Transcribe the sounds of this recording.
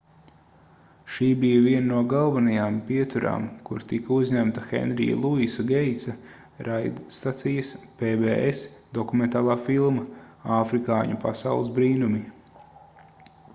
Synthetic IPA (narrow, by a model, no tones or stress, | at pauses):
ʃiːbijɐviɛnnuɔɡalˠvanajaːmpiɛt̪uɾa̰ːmkuɾt̪ikɐuzʲɲæmt̪ɐxɛ̰nɾḭja̰lˠuisaɡɛjt̪sɐ | ɾajd̪st̪at̪sijɐspeveːesd̪ɔkument̪aːlˠaːfilˠmɐaːfɾikaːɲupasawlˠɨsbɾiːnumi